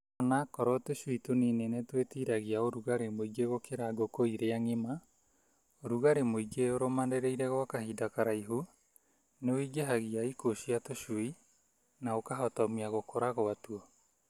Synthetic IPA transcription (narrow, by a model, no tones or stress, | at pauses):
onakɔɾɔtoʃwitoninenetwetiːɾaɣiaoɾuɣaɾemoiɡeɣokeɾaɡokoiɾeaŋema | oɾuɣaɾemoiɡeoɾomandeɾeiɾɛɣɔakahiːdakaɾaiɦu | neoiɡeɦaɣiaikoʃiatoʃui | naokaɦɔtɔmiaɣokʰoɾaɣoatuɔ